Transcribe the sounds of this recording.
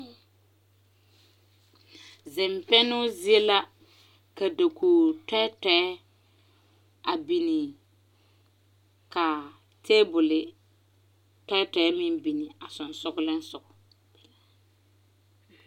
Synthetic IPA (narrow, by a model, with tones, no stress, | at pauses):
zɪ˨mpɛ˦nʊ˦zi˦e˦la˦ | ka˨da˨kʰuː˨tɛ˦tɛ˨˦ | a˨bi˨ni˨ | ka˨ | tʰeː˦bʊ˨lɪ˨ | tɛ˦tɛ˨˦mɪ˦mbi˨ni˨a˨sʊ˨n˨sʊ˦ɡʊ˦lɪ˦n˦sʊ˨ɡʊ˨